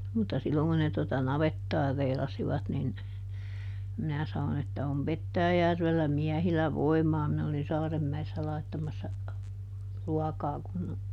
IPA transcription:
mutːɑ silːoŋ kun ne totɑ nɑʋetːɑː reilɑsiʋɑt nin minæ sɑnon etːæ om petːæːjærʋelːæ miæhilæ ʋoimɑː minæ olin sɑːremːæesːæ lɑitːɑmɑsːɑ ruɑkɑː kun

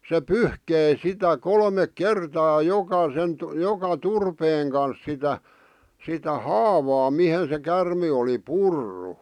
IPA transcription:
se pyhkei sitæ kolmek kertɑː jokɑsen jokɑ turpeːŋ kɑns sitæ sitæ hɑːʋɑː mihen se kærme oli purːu

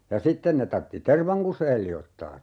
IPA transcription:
jɑ sitːen ne tɑrtːi terʋɑŋ kuseːl liotːɑː

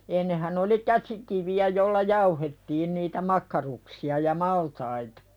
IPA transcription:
enːehæn oli kæsikiʋiæ jolːɑ jɑuhetːiːn niːtæ mɑkːɑruksiɑ jɑ mɑltɑitɑ̥

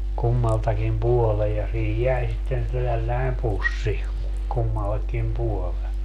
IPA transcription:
kumːɑltɑkim puɔlej jɑ siːhij jæi sitːen tælːæi̯m pusːi kumːɑlːekːim puole

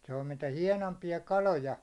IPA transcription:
se on mitæ hiɛnompiɑ kɑlojɑ

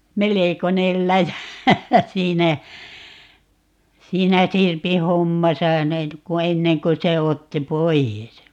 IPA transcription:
melekonel læjæ siːnæ siːnæ sirpi homːɑsɑ net ku enːeŋ ku se otːi poies

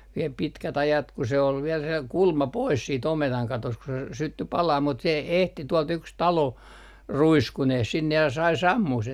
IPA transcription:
ʋiel pitkæt ɑjɑt ku se ol ʋiɛl se kulmɑ pois siːt ometɑŋ kɑtost ku se s sytːy pɑlɑː mut se e ehti tuolt yks tɑlo ruiskuneh sinːe jɑ sɑi sɑmːuh sen

